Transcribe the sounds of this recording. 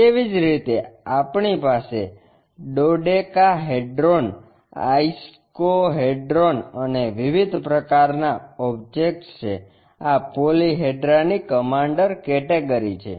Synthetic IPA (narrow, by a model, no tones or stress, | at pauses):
keʋid͡ʒɾit̪eapɳipase | ɖoɖekaɦeɖɾon | a̰is | koɦeɖɾonəneʋiʋid̪ʱpɾəkaɾnaɔbd͡ʒek̚ʈt͡ʃʰe | apoliɦeɖɾanikəmaɳɖəɾkɛʈeɡəɾit͡ʃʰḛ